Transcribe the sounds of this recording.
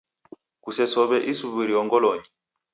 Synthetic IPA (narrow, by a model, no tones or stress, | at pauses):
kusɛsɔβɛʔisuβiɾiɔŋɡɔlɔɲi